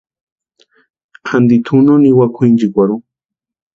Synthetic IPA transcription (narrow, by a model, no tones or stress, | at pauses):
kʰand̪it̪ʰunoniwakʰind͡ʒikʷaɾu